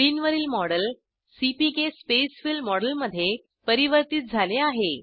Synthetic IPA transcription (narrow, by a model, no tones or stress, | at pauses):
ɾiːnʋəɾiːlmɔɽəl | sipikespesfilmɔɽəlməd̪ʱːje | pəɾiʋəɾt̪iːt̪̚d͡zʱaleaɦe